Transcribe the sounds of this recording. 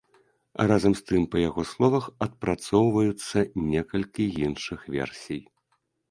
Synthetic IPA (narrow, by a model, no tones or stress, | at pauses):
razɐmst̪ɨmpɐjaɣɔslˠɔvɐxɐt̪̚pɾat̪sɔwvɐjut̪sːɐnʲɛkɐlʲkʲijinʂɨxvʲɛ̰rsʲij